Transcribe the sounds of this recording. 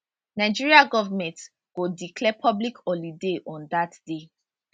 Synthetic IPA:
naɪd͡ʒiɹiaɡɔvamɛ̃nt | ɡ̥odikʰlɛpʰɔblikɔlideʔɔ̃ndatd̥e

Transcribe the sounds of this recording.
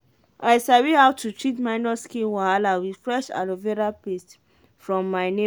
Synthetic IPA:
aɪsavihaʊtʰutɹitmaɪnɔskĩnwahalawidfɹɛʃa̰loveɾapest | fɹɔ̃mːaɪne

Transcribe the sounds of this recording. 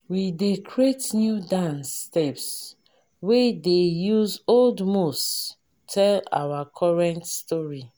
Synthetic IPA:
widekɹetnjudãnsːtɛps | wedejuzoldmos | tʰɛla̰wakʰɔɹɛ̃ntstɔɹi

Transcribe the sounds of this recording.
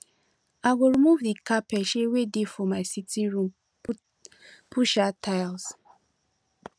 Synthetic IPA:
aɡoɹimuvdikapɛʃewedefɔ̃maɪsitiɹũm | pʰuʃatʰaɪls

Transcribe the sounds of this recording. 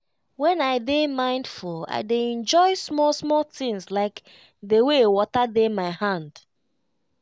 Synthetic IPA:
wɛ̃naɪdemãɪ̃ndfula̰ɪdeɛ̃nd͡ʒɔɪsmɔlsmɔlθĩŋslaɪk | dewewɔtademaɪhãnd̥

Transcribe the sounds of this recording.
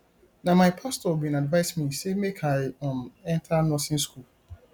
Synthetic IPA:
nãmaɪpʰastɔbĩnadvaɪsmĩsemekʰaɪɔ̃mɛ̃ntʰanɔsĩnskul

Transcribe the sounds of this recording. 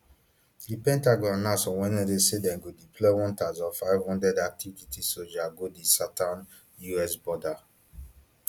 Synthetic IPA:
dipɛ̃ntaɡɔ̃nːasɔ̃wɛ̃nɛdesedɛ̃nɡodipʰlɔwɔ̃ntazɔfaɪvhɔ̃ndɛdak̚tʰivvitisod͡ʒaɡodisatãn | juɛsbɔda

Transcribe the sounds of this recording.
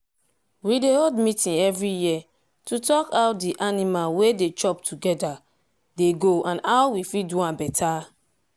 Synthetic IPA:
wideoldmitĩnɛvɹiji | tutɔkaʊt̚diʔanimalwedet͡ʃɔptʰuɡɛda | deɡoãnawwifit̚duãbɛtʰa

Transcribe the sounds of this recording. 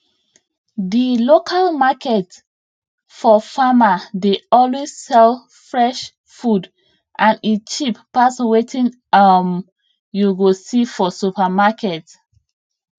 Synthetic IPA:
dilokʰalmakʰɛt | fɔfamadeɔlwezsɛl | fɹɛʃ | fud | ʔãnit͡ʃipː | aswetʰĩn | am | juɡosifɔsupamakʰɛt

